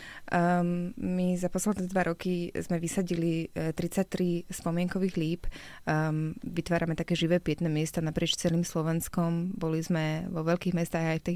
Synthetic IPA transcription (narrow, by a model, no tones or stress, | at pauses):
mizapɔslɛd̪nɛd̪ʋaɾʔɔkizmɛʋisaɟilit̪ɾit͡sac̚t̪ɾispɔmɪɛŋkɔʋiːɣliːp | ʋit̪ʋaːɾamɛt̪akɛːʒiʋɛːpɪɛt̪nɛːmɪɛst̪anapɾɪɛt͡ʃt͡sɛliːmslɔʋɛnskɔmbɔlizmɛʋɔʋɛlkiːɣmɛst̪aːɣajft̪i